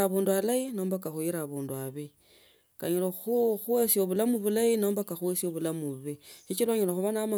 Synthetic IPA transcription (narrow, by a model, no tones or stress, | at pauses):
aβuːndualaino̞ːmbakaxuiɾaβuːnduaβi | ka̰ɲiloxuxuwesioβulamuβulaino̞ːmbakaxuwesioβulamuβeʃit͡ʃilwaɲiloxuβanama